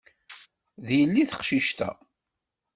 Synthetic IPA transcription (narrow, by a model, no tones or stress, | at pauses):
ðjəlːiθə̥qʃiʃt̪æ̰